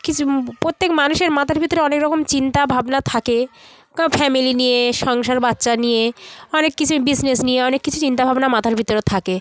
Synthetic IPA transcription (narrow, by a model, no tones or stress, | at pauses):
kit͡ɕʰupɾot̪ːekmanuʃeɾmat̪ʰaɾbʱit̪ːoɾeɔnekɾɔkomt͡ɕint̪abʱabnat̪ʰake | kafɛmilinijeʃɔŋʃaɾbatːʃanijeɔnekːit͡ɕʰubisnesnieɔnekːit͡ɕʰut͡ɕint̪abʱabnamat̪ʰaɾbʱit̪ːoɾet̪ʰake